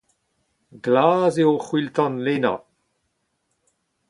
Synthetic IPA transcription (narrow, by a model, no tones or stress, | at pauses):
ɡlaːzeoχwiltɔ̃nleːna̰